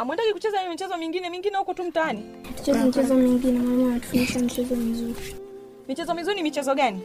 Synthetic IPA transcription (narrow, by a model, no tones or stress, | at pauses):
amwɛndakikut͡ʃɛzahijɔmit͡ʃɛzɔmiŋɡinɛmiŋɡinɛhukɔtum̩taani | atu̥t͡ʃɛzɛmit͡ʃɛzɔmiŋɡinɛmaɲaanatu̥funiʃamit͡ʃɛzɔm̩zuɾi | mit͡ʃɛzɔmizuɾinimit͡ʃɛzɔɠani